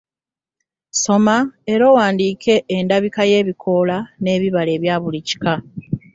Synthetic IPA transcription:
so̞maeɾoːwaːndiːkʰe̞ʔːndaβikaje̞ːβikʰo̞lane̞ːβiβale̞ːβjaːβulici̥ka

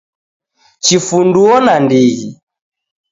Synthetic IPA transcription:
t͡ʃifunduɔnandiɣi

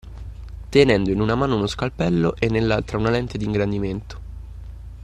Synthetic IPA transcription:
t̪enɛnd̪oinunamaːnounoskalpɛlːoʔenːelːalt̪ɾaunalɛnt̪ed̪iŋɡɾand̪iment̪o̥

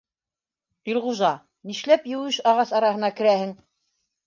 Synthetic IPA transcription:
tilˠʁuʒɑ | niʃlæpjɘ̆wɘʃɑʁɑsɑɾɑɦɤ̆nɑkɘ̆ɾæhɘŋ

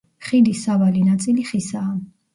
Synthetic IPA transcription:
χid̪isavalinat̪sʼiliχisaː

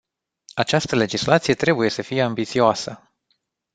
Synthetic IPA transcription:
at͡ʃast̪əle̞d͡ʒislat̪sije̞t̪ɾe̞buje̞səfije̞ambit̪sioasə

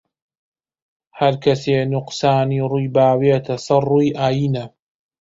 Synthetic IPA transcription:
hɐɾkɐseːnʊqsaːniːɾujbaːweːt̪ʰɐsɨrˤːuiʔaːjiːna

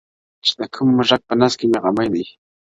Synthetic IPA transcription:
t͡ʃt̪akʰʊmːʊɾɑk̚panaskɪmɪɢɑmajd̪ɪj

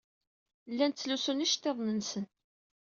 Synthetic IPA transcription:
lːænt̪t͡sːlusuniʃt̪ːeðˤnənsən

